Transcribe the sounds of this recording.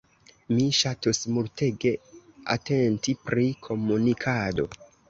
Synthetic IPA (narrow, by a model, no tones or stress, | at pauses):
miʃatosmulteɡe̞a̰te̞ntipɾikʰo̞munikʰado̞̰